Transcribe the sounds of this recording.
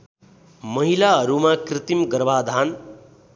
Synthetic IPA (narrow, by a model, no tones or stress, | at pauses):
mʌɦilaɦʌɾumakrit̪imɡʌɾbad̪ʱan